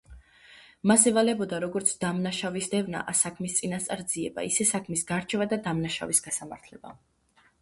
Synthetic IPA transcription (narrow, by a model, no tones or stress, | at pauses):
masɛvalɛbɔd̪aɾɔɡɔɾt̪sʰd̪̥amnaʃavisd̪ɛvna̰ʔasakʰmist̪sʼinast̪ʼaɾd̪ziɛba̰isɛsakʰmisɡaɾt͡ʃʰɛvad̪ad̪amnaʃa̰visɡasamaɾt̪ʰlɛba̰